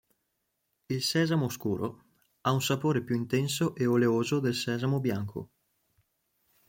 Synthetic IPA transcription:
ilsɛːzamoskuːɾo̰ | aunsapoːɾepjuint̪ɛnsoʔeoleoːzod̪elsɛːzamobjaŋkʰo̰

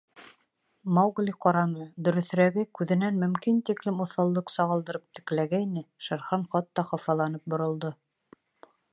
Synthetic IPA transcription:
mɑwɡlʲiqɑɾɑnɤd̪ɵ̆ɾɵ̆θɾæɡɘkʉðɘ̆nænmɵ̆mkint̪iklɘmŏθɑlˠːɤqsɑʁɑlˠd̪ɤ̆ɾɤp̚t̪ɘ̥̆klæɡæinɘʃæɾχɑnχɑt̪ːɑχɑfɑlˠɑnɤp̚bŏɾŏlˠd̪o

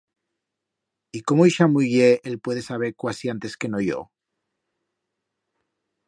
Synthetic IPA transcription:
ikomoiʃamuʝeelpwe̞ðe̞saβ̞e̞ɾkwasiant̪e̞ske̞nojo̰

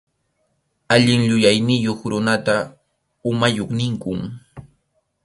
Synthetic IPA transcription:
aʎɪŋʎʊjajnɪjoχɾʊnat̪a | ʊmajoχnɪŋkʊŋ

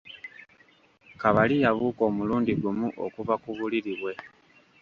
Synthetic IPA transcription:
kaβalijaβuːko̞ːmuluːndiɡumuʔo̞̰kuvakuβuliɾiβwe̞

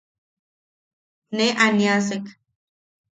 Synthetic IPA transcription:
neʔanias̬ek

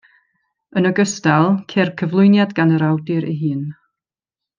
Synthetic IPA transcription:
ənəɡəstalˠkʰerkʰəvlˠʊɨnjadɡanəɾawdɪɾʔḭɦɨːn

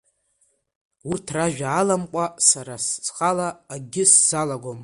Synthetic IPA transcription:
urtʰraʒᶣaːlamqʷʼasaɾassχʼalaːɡʲɪsz̥alaɡʷom

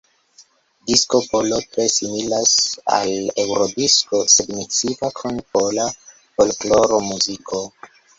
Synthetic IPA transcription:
disko̞po̞lo̞tɾe̞similasa̰le̞wɾodiskosedmit͡sivakʰonpo̞la | folklo̞ɾo̞muzikʰo̞

